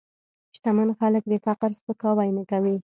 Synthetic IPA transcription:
ʃt̪amanxalək̚d̪əfaqəɾspəkɑwajnakawi

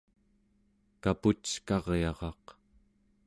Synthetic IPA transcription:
kaput͡ʃkɑʁjɑʁɑq

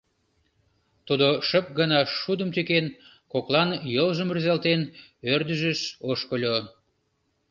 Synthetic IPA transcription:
t̪ud̪oʃəp̚ɡənɑʃud̪əmt̪yken | koklɑnjolʒəmrizɑlt̪enørd̪əʒəʃoʃkəlʲo

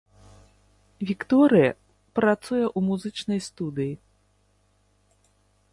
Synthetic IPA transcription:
vʲikt̪ɔɾɨjɐ̰ | pɾat̪sujɐʔumuzɨt͡ʂnɐjst̪ud̪ɨji

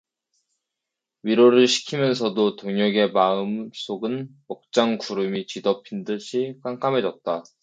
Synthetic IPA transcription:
ɥiɾoɾɯɭɕʰi̥kʰimjʌns̬ʰʌdotoŋʌɡe̞maɯms͈ʰoɡɯnmʌk̚t͡ɕ͈aŋkuɾɯmit͡ɕidʌpʰindɯɕʰikwaŋk͈ʰamɦe̞d͡ʑʌt̚t͈a

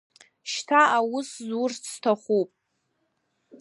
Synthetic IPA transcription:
ʃtʰaawʊszurt͡sʰtʰaχʷupʼ

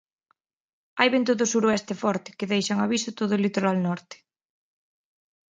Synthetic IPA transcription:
ajβent̪oðosuɾoɛst̪efɔɾt̪ɪ̥keðejʃaŋaβisʊt̪oðʊlit̪oɾalnɔɾt̪ɪ̥

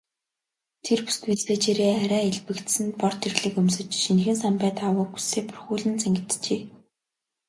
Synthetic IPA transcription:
t̪ʰerpu̥st̪wit͡sɮeːt͡ɕeɾeːaɾʲæːiɮpɘ̆kt̪sɘ̆nt̪̚pɔr̥t̪ʰirɮɘ̆kɵmsɘ̆t͡ɕʃinxɘ̆nsampæːt̪awʊ̆ːku̥sːeːpɵrxuːɮɘ̆nt͡sʰæŋɡɪ̆t̪t͡ɕeː

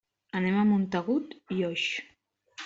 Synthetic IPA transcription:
ənɛmamunt̪əɣut̪ioʃ

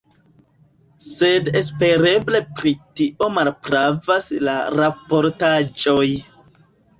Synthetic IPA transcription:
se̞des̬pe̞ɾe̞ble̞pɾitiʔo̞malpɾavaslaɾapo̞ɾtad͡ʒo̞j

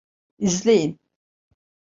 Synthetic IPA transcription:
yzlʲejin

